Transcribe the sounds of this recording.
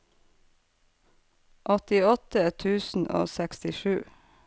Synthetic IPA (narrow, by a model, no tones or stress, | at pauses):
ʔɔt̪ɪɔt̪ət̪ʰʉːsn̩ʔo̰ːsɛkst̪ɪʃʉː